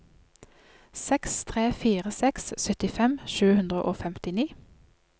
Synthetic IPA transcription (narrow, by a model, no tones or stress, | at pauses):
sɛkst̪ʰʁeːfiːʁəsɛkssœt̪ɪfɛmʃʉːhʉnd̪ʁə̰ʔoːfɛmt̪ɪniː